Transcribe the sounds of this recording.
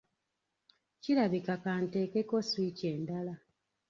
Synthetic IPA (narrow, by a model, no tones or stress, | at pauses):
ciɾaβikakaːnte̞ːkeko̞swiceːndala